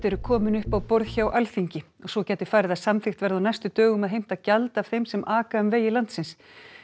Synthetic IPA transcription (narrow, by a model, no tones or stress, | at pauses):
t̪ɛɾʏkʰɔːmʏnʏhpawpɔɾðçawʔalθiɲcɪ | ɔɣsɔcɛːt̪ɪ̥faːɾɪðaðsamθɪxt̪vɛɾðawnajst̪ʏt̪œːɣʏmɛðɦejm̥t̪aðcalt̪aːv̥θejmsɛmʔaːkaʏmveːjɪlant̪sɪns